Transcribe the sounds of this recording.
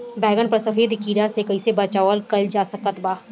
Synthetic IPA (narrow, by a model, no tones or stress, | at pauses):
bɛːɡənpəɾsəfʰeːd̪kiːɾasekɐisebɐt͡ʃaʋəlkɐld͡ʒaːsəkət̪baː